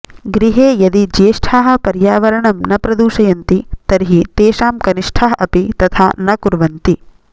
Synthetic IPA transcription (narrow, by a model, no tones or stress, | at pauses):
ɡɾiɦeːjɐd̪id͡ʒeːʂʈʰaːɦɐ̆pɐɾjaːʋɐɾɐɳɐmnɐpɾɐd̪uːʃɐjɐnt̪it̪ɐɾɦit̪eːʃaːmkɐniʂʈʰaːɦɐʔɐpit̪ɐt̪ʰaːnɐkuɾʋɐnt̪i